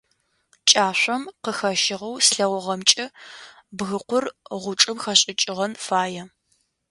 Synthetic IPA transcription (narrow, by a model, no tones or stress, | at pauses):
t͡ʃʼaːɕʷɔmqəxɐʃɪʁɐwsɬɐwɔʁɐmt͡ʃʼɐbɣɨqʷʊrʁʷʊʈ͡ʂʼɨmxɐɕʼɪt͡ʃʼɪʁɐnfaːjɛ